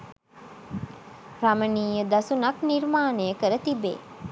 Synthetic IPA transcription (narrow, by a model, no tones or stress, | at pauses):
ɾaməniːjəd̪asunakniɾmaːnəjəkəɾət̪ibḛː